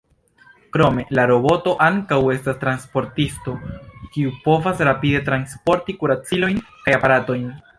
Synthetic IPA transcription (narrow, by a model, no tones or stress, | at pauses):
kɾo̞me̞laɾo̞bo̞to̞ʔaŋkawe̞stastɾanspo̞ɾtisto̞kiupo̞vasɾapide̞tɾanspo̞ɾtikuɾat͡silo̞jnkajapaɾato̞jn